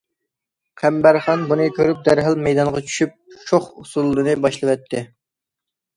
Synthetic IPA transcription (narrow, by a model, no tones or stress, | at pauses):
qʰæmbæɾχɑnbunɨkʲʰøɾyp̚d̪æɾɦɨlˠmɛjd̪ɑnʁɑt͡ʃʰy̥ʃyp̚t͡ʃʰoχusulˠːɨnɨbɑʃlˠɨwɛt̪ʰːɪ